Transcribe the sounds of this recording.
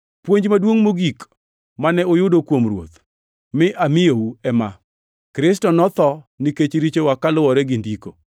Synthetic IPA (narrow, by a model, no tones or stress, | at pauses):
pwoɲd͡ʒmadwoŋmoɡik | manɛojʊdokwomɾwo̰t̪ | mɪʔamɪjouɛma | kɾɪs̬tɔnɔt̪ɔniket͡ʃɾit͡ʃewakalʊwɔɾɛɡɪndiko̰